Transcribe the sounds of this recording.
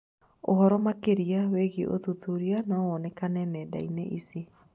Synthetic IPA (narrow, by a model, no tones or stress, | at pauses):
ohɔɾɔmakeɾiaweɣiʔo̰ðuðuɾianawɔnɛkanɛnɛda̰ineʔisi